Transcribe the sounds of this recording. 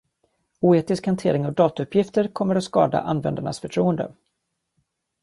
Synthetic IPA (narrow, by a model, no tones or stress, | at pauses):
uːeːt̪ɪskhant̪ʰeːɾɪŋɔɡ̚d̪ɑːt̪aɵpʰjɪft̪əɾkʰɔmːəɾat̪skɑ̰ːd̪a̰ʔanvɛ̰nd̪aɳa̰sfœʈʰɾuːənd̪ə̰